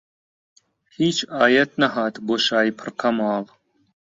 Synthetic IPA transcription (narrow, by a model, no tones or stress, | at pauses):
hiːt͡ʃʰaːjɐt̪nɐɦaːt̪boʃaːjpʰɨɾqʰɐmaːlˠ